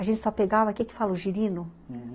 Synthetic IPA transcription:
ɐʒẽnt͡ʃɪ̥sɔpeɡavɐkiɛkɪ̥falʊʒiɾĩnʊ

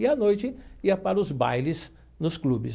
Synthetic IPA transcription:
ɪɐnojt͡ʃɪiɐpaɾɐʊzba̰jlɪz | nʊsklubɪs

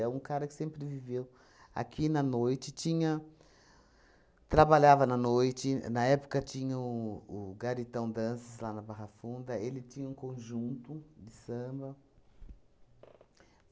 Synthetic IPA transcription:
ɛũkaɾɐkɪ̥sẽmpɾɪvivew | a̰kinɐnojt͡ʃɪt͡ʃĩɲɐ | t̪ɾabaʎavɐnɐnojt͡ʃɪnɐɛpʊ̥kɐt͡ʃĩɲɐʊːɡaɾit̪ɐ̃w̃d̪ɐ̃sɪzlanɐbaɦɐfũnd̪ɐelɪt͡ʃĩɲɐũkõʒũnt̪ʊd̪ɪsɐ̃bɐ

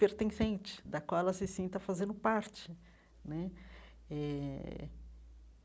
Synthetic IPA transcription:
peɾt̪ẽsẽnt͡ʃɪ̥d̪ɐkwawɛlɐsɪsĩnt̪ɐfazẽnd̪ʊpaɾt͡ʃɪ | nɛ | ɛ

